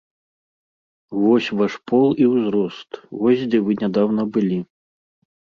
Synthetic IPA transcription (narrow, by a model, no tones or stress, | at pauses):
vɔsʲvaʂpɔlˠiwzɾɔst̪vɔsʲd͡zʲɛvɨnʲad̪awnɐbɨlʲi